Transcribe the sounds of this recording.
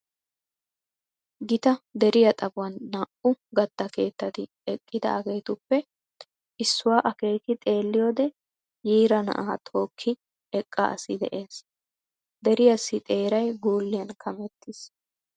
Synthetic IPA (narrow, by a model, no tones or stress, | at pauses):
ɡɪt̪ɐd̪ɛɾɪjɐt̪ʼɐbʊwɐnːɐʔʊɡɐt̪ːɐke̞ːt̪ːɐt̪ɪ | ɛkʼːɪd̪ɐ̰ʔɐɡejt̪ʊpːɛ | ʔɪsːʊwaːʔɐke̞ːkɪt̪ʼe̞ːlːɪjoːd̪ɛ | jiːɾɐnɐ̰ʔaːt̪ʰo̞ːkʰːɪ | ɛkʼːɐ̰ʔɐ̰sɪd̪ɛ̰ʔe̞ːs | d̪ɛɾɪjɐsːɪt̪ʼe̞ːɾɐjɡuːlːɪjɐnkʰɐmɛt̪ːɪs